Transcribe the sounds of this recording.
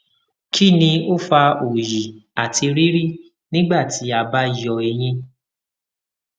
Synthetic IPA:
kʰi˦˨nĩ˧o˦fa˧o˨ji˨a˨tʰi˧ɾi˦ɾi˦˨ | nĩ˦ɡ͡ba˦˨ti˨˦a˧ba˧˦˨jɔ˨e˧j̃ĩ˧

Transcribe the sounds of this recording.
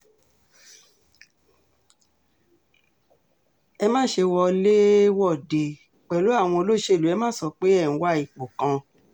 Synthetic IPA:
ɛ˧mãː˦ʃe˧wɔ˧le˦wɔ˦˨de˧˨ | k͡pɛ˨lo˨˦a˦˨w̃ɔ̃˧o˧lo˦ʃe˦˨lu˨˦ɛ˧mã˦sɔ˧k͡pe˦ɛ˦˨ñ̩˧wa˦i˦˨k͡po˨kã˧

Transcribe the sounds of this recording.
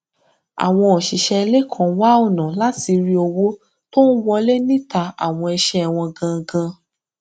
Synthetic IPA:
a̰˨w̃ɔ̃˧o˨ʃi˨ʃɛ˧le˦kʰɔ̃˨wa˦o˦˨nã˨la˨˦ti˧ɾi˦o˧wo˦ | to˦n̩˦wɔ˧le˦nĩ˦ta˧a̰˨w̃ɔ̃˧ɛ˧ʃɛ˦˨w̃ɔ̃˧ɡã˧ɡã˧

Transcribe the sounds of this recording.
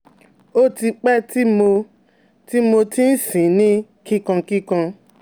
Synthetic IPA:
o˦ti˧k͡pɛ˦ti˦mo˧ | ti˦mo˧ti˦n̩˦sĩ˨nĩ˦ | ki˦kã˧ki˦kã˧

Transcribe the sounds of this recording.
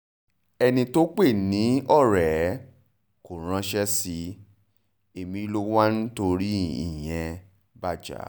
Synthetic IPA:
ɛ˧nĩ˧to˦k͡pe˦˨nĩ˨˦ɔ˦˨ɾɛ˨˦ | ko˨ɾ̃ã˧ʃɛ˦si˧ | e˨mĩ˧lo˦wa˦ñ̩˦to˧ɾi˦ḭ˦˨j̃ɛ̃˧ | ba˦d͡ʒa̰˨˦

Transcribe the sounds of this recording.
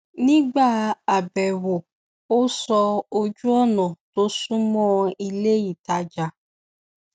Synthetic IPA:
nĩ˦ɡ͡ba˦˨a˨bɛ˨wo˨ | o˦sɔ˧o˧d͡ʒu˦ɔ˦nɔ̃˨to˦sũ˦mɔ̃˦i˧le˦ji˦˨ta˨˦d͡ʒa˧

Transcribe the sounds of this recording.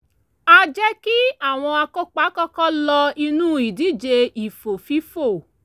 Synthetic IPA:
a˧d͡ʒɛ˦ki˦a˦˨w̃ɔ̃˧a˧ko˦k͡pa˦kɔ˦kɔ˦lɔ˧i˧nũ˦i˨di˨˦˨d͡ʒe˧i˨fo˨fi˨˦fo˦˨

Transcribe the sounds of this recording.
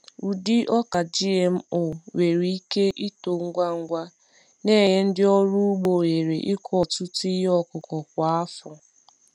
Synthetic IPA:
u˨di˦ʔɔ˦ka˨d͡ʒi˦e˨m̩˦ʊ˨we˨ɾi˦i˦ke˦ʔi˦to˨ŋ̩˦ɡʷa˦ŋ̩˦ɡʷa˦ | ne˦˨ɲe˦n̩˦dɪ˦ɔ˦ɾu˦ɡ͡bo˨e˨ɾe˨ʔɪ˦kʰɔ˨tʊ˦ti˦ɦe˦ɔ˦kʊ˨kɔ˨kʷa˨a˦fʊ˨

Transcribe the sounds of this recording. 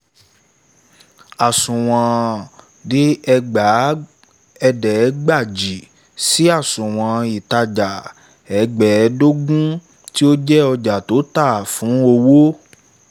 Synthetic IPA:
a˨sũ˨w̃ã˧ | di˦ɛ˧ɡ͡ba˨˦ | ɛ˧dɛ˨˦ɡ͡ba˦˨d͡ʒi˨ | si˨˦a˦˨sũ˨w̃ã˧i˨ta˧d͡ʒa˨ | ɛ˨ɡ͡bɛ˨˧˦do˦ɡũ˦ | ti˦o˦d͡ʒɛ˦ɔ˧d͡ʒa˨to˨˦ta˦˨fũ˨˦o˧wo˦

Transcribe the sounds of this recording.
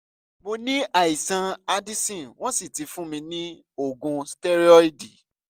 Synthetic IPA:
mo˧nĩ˦ʔa˨i˨sã˧a˧di˦sĩ˦˨w̃ɔ̃˦si˦˨ti˨˧˦fũ˦mĩ˧nĩ˦ | o˦˨ɡũ˧stɛ˦ɾi˦ɔ˦i˦di˨

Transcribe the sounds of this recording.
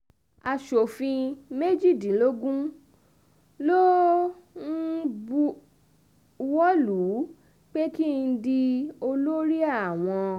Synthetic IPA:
a˨ʃo˨fĩ˧me˦d͡ʒi˦˨dĩ˨˦lo˦ɡũ˦ | lo˦ | n̩˦bu˧ | wɔ˦lu˨˦˨ | k͡pe˦ki˦˧n̩˧˦di˧o˧lo˦ɾi˦a˦˨w̃ɔ̃˧

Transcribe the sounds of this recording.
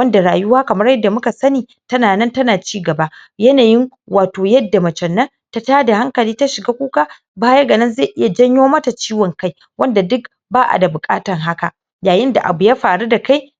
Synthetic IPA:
wɐ˦nda˨ɽaː˨jʊ˦waː˦kɐ˨mɐ˦rjɐ˦dːa˨mʊ˦ka˨sɐ˦niː˨ | tɐ˦naː˨nɐ˦ntɐ˦naː˨t͡ʃiː˦ɡɐ˨ba˦jɐ˦naː˨jɪ˦ŋ | waː˨toː˨jɐ˦dːa˨mɐ˨t͡ʃɛ˨nːɐ˦n | ta˦taː˦da˨ha˦ŋkɐ˨liː˦ta˦ʃɪ˨ɡaː˦kʷuː˦kaː˦ | baː˦jɐ˦ɡɐ˨nɪ˦nze˦˨ʔɪ˦ja˨d͡ʒɐ˦ɲjoː˦mɐ˦ta˨t͡ʃiː˦wɔ˨ŋka˦j | wɐ˦nda˨dʊ˦k | baː˦ʔa̰˨da˨bʊ˨kʼa̰ː˦tɐ˨ŋɦa˦ka˨ | jaː˨jɪ˦nda˨ʔa̰˨bu˨ja˦ɸaː˨ɽu˦da˨ka˦j

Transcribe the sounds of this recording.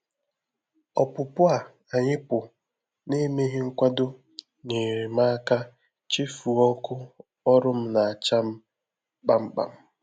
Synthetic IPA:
ɔ˨pʊ˨pʊ˦a˨ | a˨ɲɪ˦pʊ˨ | ne˦me˦ɦɪ˦ŋ̩˦kʷa˦do˦ | ne˨ɾɪ˨ma˦a˦ka˦ | t͡ʃi˦fu˨ɔ˦kʊ˦ | ɔ˦ɾʊ˦m̩˦na˨a˨t͡ʃa˦m̩˦ | k͡pa˨m̩˦k͡pa̰˨m̩˦

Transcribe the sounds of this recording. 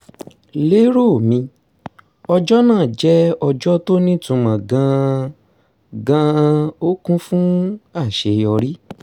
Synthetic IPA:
le˦ɾo˦˨mĩ˧ | ɔ˧d͡ʒɔ˦nãː˦˨d͡ʒɛ˦ɔ˧d͡ʒɔ˦to˦nĩ˦tũ˧mã˨ɡã˧ | ɡã˧o˦kũ˦fũ˦a˦˨ʃe˨jɔ˧ɾi˦

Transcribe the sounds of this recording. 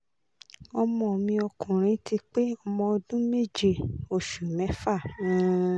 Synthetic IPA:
ɔ˧mɔ̃˧˨mĩ˧ɔ˧kũ˨ɾ̃ĩ˨˦tʰi˧k͡pe˦ɔ˧mɔ̃˧o˧dũ˦me˦˨d͡ʒe˦˨o˨ʃu˨mɛ̃˨˦fã˦˨˦

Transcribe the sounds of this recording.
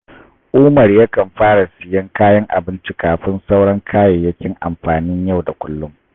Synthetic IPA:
ʔʊː˦mɐ˨rjaː˦kɐ˨mɸaː˦ɽa˨sɪ˨jɐ˦ŋkaː˦jɐ˦ŋʔa̰˨bɪ˦nt͡ʃi˦kaː˨ɸɪ˦nsa˦wɽɐ˦ŋkʰaː˦je˨jɐ˦kʲɪ˦ŋʔa̰˨mɸaː˨nɪ˦ɲja˦˨wda˨kʷʊ˦lːʊ˦m

